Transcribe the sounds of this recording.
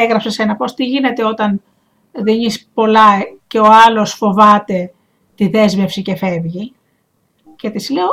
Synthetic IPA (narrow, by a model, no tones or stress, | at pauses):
eɣɾɐpsese̞nɐpo̞st̪iʝine̞t̪e̞o̞t̪ɐn | ðiɲispo̞lɐce̞o̞ɐlo̞sfo̞vɐt̪e̞ | t̪iðe̞zme̞fsice̞fe̞vʝi | ce̞t̪isleo